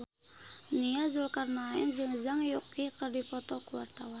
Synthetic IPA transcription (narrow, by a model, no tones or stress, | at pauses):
niazulkarnaɛ̰nd͡ʒɨŋzaŋjukːikərdipɔt̪ɔkuwart̪awan